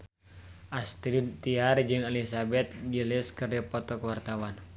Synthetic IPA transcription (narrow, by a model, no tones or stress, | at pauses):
ʔast̪ɾint̪iard͡ʒɨŋɛlisabɛt̪̚ɡilɪskɨrdɛpɔt̪ɔkwart̪awan